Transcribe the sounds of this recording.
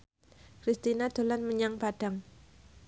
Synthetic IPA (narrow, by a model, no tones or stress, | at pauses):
kɾist̪inad̪̥o̤lanməɲaŋpad̥a̤ŋ